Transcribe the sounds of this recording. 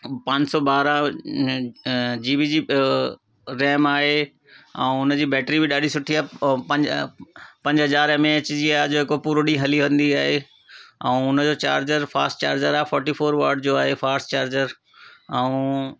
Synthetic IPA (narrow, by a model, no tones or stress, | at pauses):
pãːɲd͡ʑsɔbaːɾã | d͡ʑiːbid͡ʑiː | ɾɛːmaːɦe | ɛ̃ːʊnəd͡ʑiːbɛːʈɾibɪɗaːɖisʊʈʰiaːɦɐ̃ɲ | pɐ̃ɲd͡ʑɦɐzaːɾmẽɪt͡ɕd͡ʑiaɦd͡ʑoːɦɪkopuːɾɗĩɦɐliʋə̃nd̪iaːɦe | ɛ̃ʊnə̆d͡ʑoːt͡ɕaːɾd͡ʑəɾfʰaːsʈt͡ɕaːɾd͡ʑəɾaːɦfɔːɾʈifoːɾʋaːɾɖd͡ʑoːaːɦefaːsʈt͡ɕaːɾd͡ʑəɾ | ɛ̃ũ